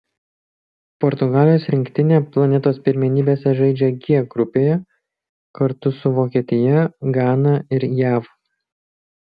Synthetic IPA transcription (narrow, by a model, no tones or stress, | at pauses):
pɔɾt̪ʊɡɑːlʲɪjoːsɾʲɪŋʲkt̪ʲɪnʲeːplˠɐnʲɛt̪oːspʲɪɾʲmʲɛnʲiːbʲeːsʲɛʒɐɪd͡ʒʲɛɡʲiɛɡɾʊpʲeːjɛ | kɐɾt̪ʊsʊʋoːkʲiɛt̪ʲɪjɛɡɑːnɐɪɾjæːʋ